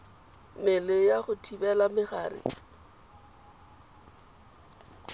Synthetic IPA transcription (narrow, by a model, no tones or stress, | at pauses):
mɪlɪjaχʊtʰibɛlamɪχaːrɪ̰